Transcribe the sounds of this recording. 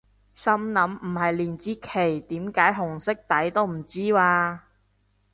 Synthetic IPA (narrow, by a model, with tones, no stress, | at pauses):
sɐ˥mnɐ˨˥m̩˨˩hɐ˨jliː˨˩nt͡siː˥kʰe˨˩jt̪iː˨˥mkaː˨˥jɦʊ˨˩ŋsɪ˥k̚t̪ɐ˨˥jt̪o˥wm̩˨˩t͡siː˥waː˧